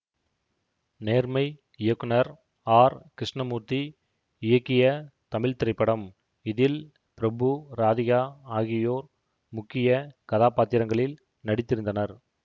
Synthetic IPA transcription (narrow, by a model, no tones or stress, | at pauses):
neːɾmɐɪ | ɪjɐkːɯnɐɾ | aːɾkɪɾɪʂɳɐmuːt̪i | ɪjɐkːɪjɐt̪ɐmɪɻt̪ɪɾɐɪpːɐɽɐm | ɪðɪl | pɪɾɐbɯɾaːðɪɣaːaːɣɪjoːɾ | mʊkːɪjɐkɐðaːpaːt̪ːɪɾɐŋɡɐɭɪl | nɐɽɪt̪ːɪɾɯnd̪ɐnɐɾ